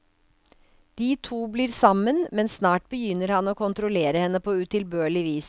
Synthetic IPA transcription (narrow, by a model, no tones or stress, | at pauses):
d̪̥iːt̪ʰuːbliːɾsɑmənmɛnsnɑːʈ̚bəjʏnːəɾhɑnoːkʰʊnt̪ɾʊleːɾəhɛnːəpʰoːʉt̪ʰɪlbøːɭɪʋiːs